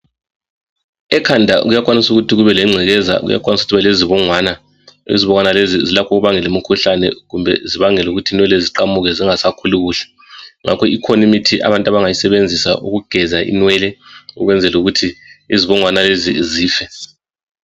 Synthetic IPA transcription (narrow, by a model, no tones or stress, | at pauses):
ɛkʰandʱa̰ɣujak̬ʼwanisuɣutʰiɣuβɛlɛŋ͡ǀʱɛɣɛza̰ɣṵja̰kʼwanisuutʰiβɛleziβɔŋwaːna | ḛziβɔŋanalezizilakʰɔɣuβaŋɛlumikʰuɬanɛ̰ɣumbʱɛ̰ziβaŋɛluɣutʰiːnwɛlɛziǃamuɣɛziŋasakʰuluɣuːɬɛ̥ | ŋa̰kʰɔikʰonomitʰiʔa̰βantʼwaβaŋajisɛβend͡zʱisa̰ʔuɣuɡ̥ʱɛzaʔḭnwɛlɛṵɣwɛnd͡zʱɛluɣutʰiiziβɔŋwanaleziziːfɛ